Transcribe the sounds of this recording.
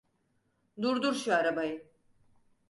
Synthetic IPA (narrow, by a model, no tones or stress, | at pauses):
d̪uɾd̪uɾʃuaɾabajɯ